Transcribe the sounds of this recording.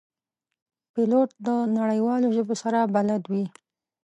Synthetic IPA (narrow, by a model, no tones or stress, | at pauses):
piloʈ̚d̪ənaɽəjwɑloʒəbosaɾabalad̪wi